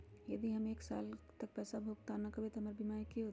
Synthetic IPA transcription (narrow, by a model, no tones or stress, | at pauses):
jɐd̪iɦəmeːksa̰ːlt̪ək̚pɛːsabʱoːɡt̪anəkəbet̪oɦəmaɾbimaɾikeɦot̪